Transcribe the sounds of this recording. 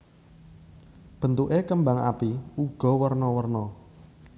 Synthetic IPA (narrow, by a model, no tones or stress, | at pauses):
b̥ə̤nt̪uʔekəmbaŋa̰piuɡ̥ɔ̤wərnɔwərnɔ